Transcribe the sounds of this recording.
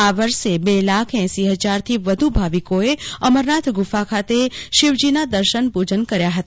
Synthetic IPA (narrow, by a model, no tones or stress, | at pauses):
aʋəɾʃebelakʰɛ̃siɦəd͡ʒaɾt̪ʰiʋəd̪ʱubʱaʋikoeəməɾnat̪ʰɡufakʰat̪eʃɪʋd͡ʒinad̪əɾʃənpud͡ʒənkəɾjaɦət̪a